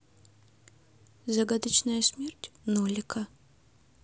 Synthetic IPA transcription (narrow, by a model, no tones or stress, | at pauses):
zɐɡad̪ət͡ɕnəjəsʲmʲertʲnolʲɪkʰə